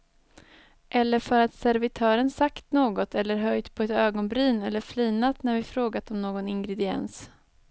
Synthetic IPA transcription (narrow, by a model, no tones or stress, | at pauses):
ʔɛlːəɾfœɾat̪sæɾvɪt̪ʰœːɾənsakt̪noːɡɔt̪ʰɛlːəɾɦœjd̪pʰɔɛt̪øːɡɔnbɾyːnɛlːəɾfliːnat̪næɾvɪfɾoːɡat̪ɔmnoːɡɔnɪŋɡɾɛd̪ɪɛ̰ns